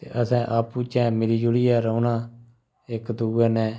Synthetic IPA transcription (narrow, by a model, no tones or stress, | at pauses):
t̪ḛːʔəsɛ̃ːʔaːpuːt͡ʃɛ̃ːmeːɾiːd͡ʒʊɽiːɛːɾoːnaː | ɪkd̪uːɛːnɛ̃ː